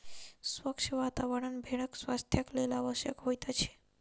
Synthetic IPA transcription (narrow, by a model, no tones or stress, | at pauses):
sʋəkʂəʋat̪aʋəɽənbʱeɽ̃əkswast̪ʰjaklelaːʋəʃjəkɦojt̪at͡ʃʰe̥